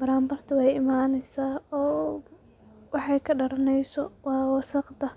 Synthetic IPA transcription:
bɐɾaːmbɐrt̪ʰʊwɑjɪmaːnɛjsaːɔː | wɑħɑjkʰɐɖɐɾɐnɛjsɔwɑːwɑsɐqd̪ɐ

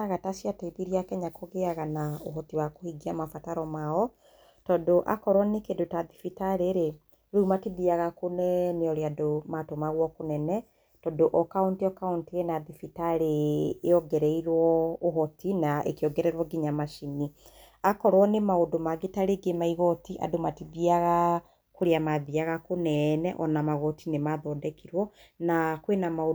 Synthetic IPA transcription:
aɣatasiataiðiɾiakɛɲakoɣeaɣanaoɦɔtiwakohiɡiamafataɾɔmaɔ | tɔdoʔa̰kɔɾwɔnekendotaðifitaɾeɾe | ɾumatiðiaɣakonɛneɔɾeadomatomaɣwɔkonɛnɛ | tɔdoʔɔkauntiɔkauntiɾenaðifitaɾeːɔɡɛɾɛiɾwɔoɦɔtinaʔḛkeɔɡɛɾɛɾwɔɡiɲamaʃini | akɔɾwɔnemaodomaɡetaɾeɡemaiɣɔtiʔa̰domatiðiaɣa | koɾeamaðiaɣakonɛnɛʔɔnamaɣɔtinemaðɔdɛkiɾwɔ | nakwenamao

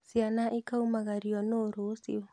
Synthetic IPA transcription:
sianaʔikaumaɣaɾiɔnoɾosḭɔ

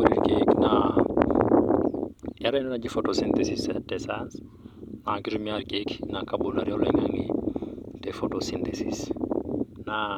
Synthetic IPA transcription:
oɾikekna | jaɾennad͡ʒifotosint̪ɛsisatɛsas | naɡiɾumiaɾɡeknakabulaɾioleŋaŋi | tefotosintesis | na

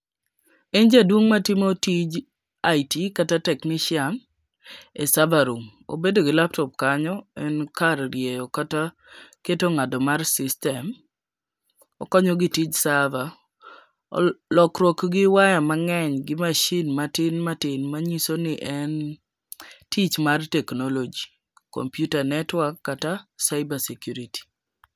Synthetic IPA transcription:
ɪnd͡ʒadwoŋmatɪmotid͡ʒ | aitikatatɛknɪʃjan | esavaɾum | o̰bedoɡɪlap̚tɔp̚kaɲɔɛnkaɾɾjejɔkata | ketoŋadɔmarsɪstɛm | ɔ̰kɔɲɔɡitit͡ʃsava | ɔ̰lɔkɾwɔkɡɪwajamaŋɛɲɡɪmaʃinmatɪnmatɪnmaɲisonɪʔɛn | tit͡ʃmartɛknolod͡ʒi | ko̰mpjutanɛtwakːatasaɪbasɛkjuɾiti̥

